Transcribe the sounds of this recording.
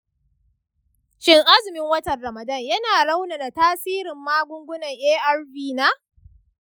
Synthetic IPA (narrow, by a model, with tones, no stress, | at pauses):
ʃɪ˦ŋʔa˦zɪ˨mɪ˦ŋwɐ˦tɐ˨nɽɐ˨mɐ˨dɐ˦˨ɲjɐ˦naː˨ɽa˦wna˨na˨taː˦siː˦ɾɪ˨mːaː˦ɡʷʊ˦ŋɡʷʊ˦nɐ˨ŋʔeː˦ʔɐ˦˨rbiː˦na˦